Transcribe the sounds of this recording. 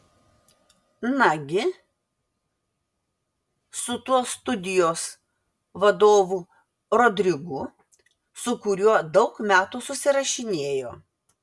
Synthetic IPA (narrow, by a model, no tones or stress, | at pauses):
nɐɡʲɪ | sʊt̪uɔst̪ʊd̪ʲɪjoːs | ʋɐd̪oːʋu | ɾoːd̪ʲɾʲɪɡʊ | sʊkʊɾʲuɔd̪ɐʊkmʲæːt̪uːsʊsʲɪɾɐʃʲɪnʲeːjoː